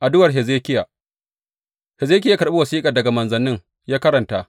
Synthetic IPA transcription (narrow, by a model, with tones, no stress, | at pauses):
ʔa˨dʊ˦wɐ˨rɦe˨zeː˦kʲɪ˦ja˨ | he˨zeː˦k̬ʲɪ˦jaː˦kɐ˨ɾɓe˦wɐ˨siː˦kʼɐ˨rdɐ˨ɡa˨mɐ˨nzɐ˨nɪ˦ŋ | jaː˦kɐ˦ɾɐ˨ntaː˦